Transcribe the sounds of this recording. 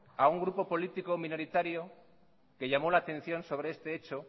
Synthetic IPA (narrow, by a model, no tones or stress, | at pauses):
auŋɡɾupo̞po̞lit̪ikomĩno̞ɾit̪aɾjo | ke̞ʎamo̞laːt̪ẽ̞n̟θjo̞nso̞β̞ɾe̞e̞st̪e̞et͡ʃo